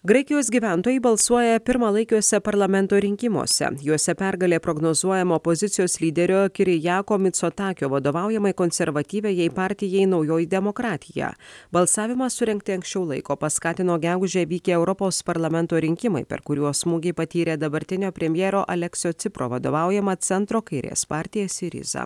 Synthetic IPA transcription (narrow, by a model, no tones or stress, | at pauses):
ɡɾɐɪkʲɪjoːsɡʲiːʋʲæˑnt̪oːjɛɪbɐlˠsuɔjɛpʲɪɾmɐlˠɐɪkʲuɔsʲɛpɐɾlˠɐmʲɛnt̪oːɾʲɪŋʲkʲɪmo̰ːsʲɛ̰juɔsʲɛpʲæɾɡɐlʲeːpɾoɡnoːzuɔjɛmoːpozʲɪt̪sʲɪjoːslʲiːd̪ʲɛɾʲoːkʲɪɾʲɪjɑːkoːmʲɪt̪soːt̪ɑːkʲoːʋɐd̪oːʋɑˑʊjɛmɐɪkonʲsʲɛɾʋɐt̪ʲiːʋʲɛjɛɪpɑːɾʲt̪ʲɪjɛɪnɒʊjoːjid̪ʲɛmokɾɑːt̪ʲɪjæ̰ːbɐlˠsɑːʋʲɪmɐsʊɾʲɛŋʲk̚t̪ʲɪɐŋksʲt͡ʃʲɛʊlˠɐɪkoːpɐskɑːt̪ʲɪnoːɡʲæɡʊʒʲeːʋʲiːkʲeːɛʊɾɔpoːspɐɾlˠɐmʲɛnt̪oːɾʲɪŋʲkʲɪmɐɪpʲɛ̰ɾkʊɾʲuɔsmuːɡʲɛɪpɐt̪ʲiːɾʲeːd̪ɐbɐɾʲt̪ʲɪnʲoːpʲɾʲɛmʲjɛːɾoːʔɐlʲɛksʲɪjoːt̪sʲɪpɾo̰ːʋɐd̪o̰ːʋɑˑʊjɛmɐt̪sʲɛnt̪ɾoːkɐɪɾʲḛːspɑːɾʲt̪ʲɪjɛsɪɾʲɪ̰zɐ̰